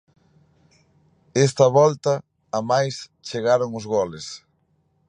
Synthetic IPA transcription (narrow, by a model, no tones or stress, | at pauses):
ɛs̬t̪ɐβɔlt̪ɐː | majst͡ʃeɣaɾoŋʊzɣɔles